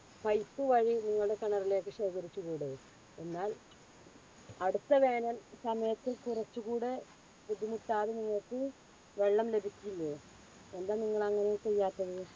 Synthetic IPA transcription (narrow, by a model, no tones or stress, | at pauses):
pɐjpːɨʋɐɻiniŋːɐɭɽe̞kɐɳɐrile̞ːkːɨɕeːkɐɾit͡ɕːuɣuːɽe | e̞nːaːl | ɐɽut̪ːɐʋeːnɐmsɐmɐjɐt̪ːikurɐt͡ɕːuɣuːɽe | pud̪ʱimuʈːaːðeniŋːɐɭkːɨ | ʋe̞ɭːɐmle̞bʱikʲːilːo | end̪aːniŋːɐɭɐŋːɐnejt͡ɕe̞jːaːt̪ːɐðɨ